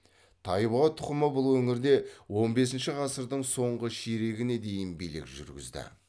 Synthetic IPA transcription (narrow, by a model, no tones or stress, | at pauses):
t̪ʰɑjbɑt̪ʰʊ̥qəməbʊlˠwɵŋɪɾd̪e̞wo̞nbe̞s̬ɪnʃɪʁɑsəɾd̪əɴso̞ɴʁəʃeɾe̞ɡʲɪne̞d̪e̞jɪnbijlɪ̰kʒʏ̰ɾɡʲɪ̰zd̪ɪ̰